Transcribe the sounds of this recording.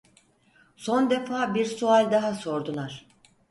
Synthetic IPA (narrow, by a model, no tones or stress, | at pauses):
so̞nd̪e̞faːbiɾsualʲd̪aɦaso̞ɾd̪ulˠaɾ̥